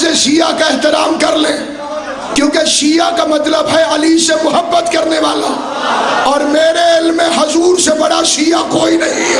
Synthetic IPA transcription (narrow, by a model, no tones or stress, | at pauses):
eʃiːjakaɪɦt̪ɪɾaːmkɐɾlẽː | kjõːkeʃiːakamɐt̪ləbɦɛɐlisemʊɦəbːət̪kɐɾneʋaːla̰ | ɔːɾmeːɾeɪlmːẽɦʊzuːɾsebɐɽaʃiːakoːinɐɦĩ